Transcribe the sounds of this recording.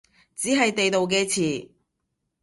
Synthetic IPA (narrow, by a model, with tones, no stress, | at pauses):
t͡siː˨˥ɦɐ˨jt̪e˨jt̪o˨wk̬ɛː˧t͡sʰiː˨˩